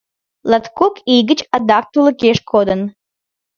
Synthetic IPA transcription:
lˠɐt̪kʰokiɡɨt͡ʃɐd̪ɑk̚t̪ulˠəkeʃkʰod̪ən

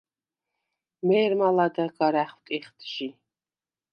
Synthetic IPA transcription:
mɛːɾmalad̪aɡaɾæχwt̪ʼiχt̪ʰʒi

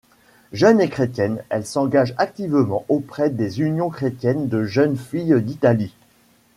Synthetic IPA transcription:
ʒənekχet̪jɛnɛ̰lsɑ̃ɡaʒak̚t̪ivmɑ̃ʔopχɛd̪ezynjɔ̃kχet̪jɛnd̪əʒənfijd̪it̪ali

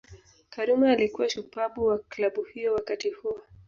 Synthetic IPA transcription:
kaɾumaːlikuwaʃupaɓuwaklaɓuhijɔwakatihuwa

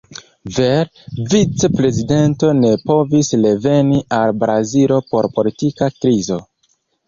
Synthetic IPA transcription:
veɾ | vit͡sepɾe̞zide̞nto̞ne̞po̞visle̞ve̞niʔalbɾazilo̞po̞ɾpo̞litikakɾizo̞

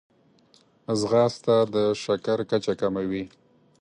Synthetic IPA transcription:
zɣɑst̪ad̪əʃakaɾkat͡ʃakamawi

